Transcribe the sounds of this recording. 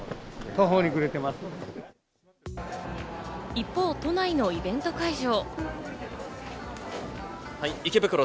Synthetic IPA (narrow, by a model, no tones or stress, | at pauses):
t̪oɦoːɲ̟ikɯ̟ɾet̪e̞masɨ̥ | ipːo̞ːt̪o̞naino̞ibẽ̞nt̪o̞kaiʑo̞ː | hiikebɯ̟kɯ̟ɾo